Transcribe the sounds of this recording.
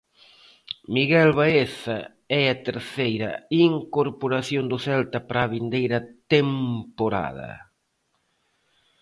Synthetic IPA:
miɣɛlβaeθɐ | ɛɐt̪eɾθejɾɐ̰iŋkoɾpoɾaθjond̪ʊθɛlt̪ɐpɾaβind̪ejɾɐt̪empoɾa̰ð̞ɐ̰

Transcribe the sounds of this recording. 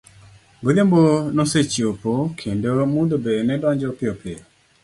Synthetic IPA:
ɡodjambonoset͡ʃiopokʰendomundobenɛdɔɲd͡ʒɔpɪɔpɪɔ

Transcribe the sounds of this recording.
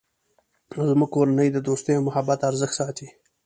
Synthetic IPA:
azmuɡ̚koɾanəjd̪əd̪ost̪əjomʊhabat̪aɾzəxt̪sɑːt̪ʰi

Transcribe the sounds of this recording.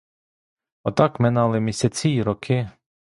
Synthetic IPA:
ɔt̪ɑkmɛnɑlˠɪmʲisʲat͡sʲiɾɔkʰɪ

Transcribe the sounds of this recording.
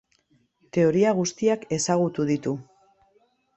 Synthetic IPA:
t̪e̞o̞ɾiaɣ̞ust̪iake̞saɣut̪uðit̪u

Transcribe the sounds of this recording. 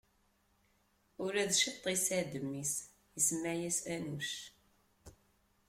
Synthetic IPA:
ʊɾæðʃit̪ˤːisæd̪əmːis | jəsəmːæʕjæsænuʃ

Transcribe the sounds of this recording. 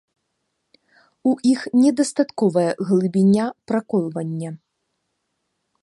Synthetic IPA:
uʔixnʲɛd̪ɐst̪at̪kɔvɐjɛɣlˠɨbʲinʲapɾakɔlˠvɐnʲːɐ

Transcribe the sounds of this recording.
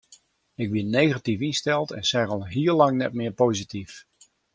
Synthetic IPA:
ɪɡ̚bɪnnejɣatifɪnstɛlˠtɛ̰nsɛrɑlˠɦiːɹlɑŋnɛt̚mɪːɹpowzitif

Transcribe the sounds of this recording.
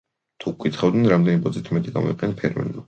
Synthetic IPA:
t̪ʰukʼit̪χavd̪nɛnɾamd̪ɛnibɔd̪zit̪ʰmɛt̪ʼiɡa̰mɔ̰iqʼɛnapʰɛɾmɛ̰lma

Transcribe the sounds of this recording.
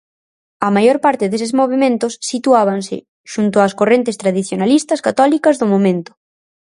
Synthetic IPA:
ɐmajoɾpaɾt̪ɪðes̬ɪzmoβ̞emẽnt̪ʊsːit̪uaβ̞aŋsɪ̰ | ʃunt̪ʊaskorent̪̬ɪst̪ɾað̞iθjonalist̪ɐskat̪ɔlikɐzðʊmomẽnt̪ʊ̥

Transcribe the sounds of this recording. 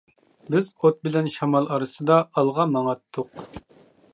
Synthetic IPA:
bɪzot̪̚bɪlɛnʃɑmɑlˠɑɾɨsɨd̪ɑɑlˠʁɑmɑŋɑt̪ʰːʊq

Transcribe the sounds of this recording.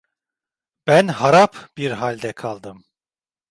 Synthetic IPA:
b̥ænhaɾapb̥iɾɦalʲd̪ɛkʰalˠd̪ɯm

